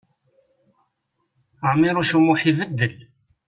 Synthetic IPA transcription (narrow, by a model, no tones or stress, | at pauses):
əʕmːiɾuʃumuħivəd̪ːəl